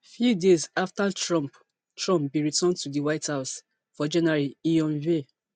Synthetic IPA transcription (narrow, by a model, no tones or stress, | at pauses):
fjudezaftatɹɔ̃mp | tɹɔ̃mpbĩɹitɔ̃ntudiwaɪthaʊs | fɔd͡ʒɛ̃naɹiiɔ̃nve